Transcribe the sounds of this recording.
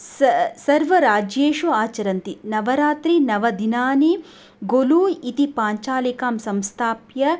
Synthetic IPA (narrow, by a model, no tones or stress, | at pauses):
ssɐɾʋɐɾaːd͡ʒjeːʃuaːt͡ʃɐɾɐnt̪inɐʋɐɾaːt̪ɾinɐʋɐd̪inaːni | ɡoluit̪ipaːɲt͡ʃaːlikaːmsɐmst̪ʰaːpjɐ